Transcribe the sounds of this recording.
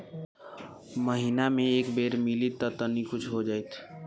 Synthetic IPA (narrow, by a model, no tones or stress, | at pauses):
məɦinamẽeːkbeɾmilit̪ːət̪ənikʊt͡ʃʰɦod͡ʒaːjt̪ʰ